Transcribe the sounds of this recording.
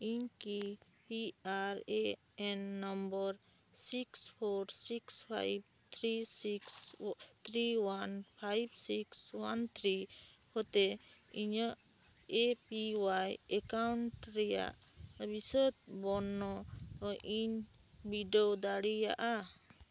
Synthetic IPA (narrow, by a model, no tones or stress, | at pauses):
iɲki | piaɾe | ɛnːɔmbəɾ | sikspʰoɾsikspʰa̰jb̚ | t̪ʰɾisikst̪ʰɾiwanpʰajbsikswant̪ʰɾihɔt̪eiɲəʔ | epiwajɛkawɳʈɾɛja̰ʔ | bisət̪̚bɔnːɔʔiɲbiɖod̪aɽija̰ʔa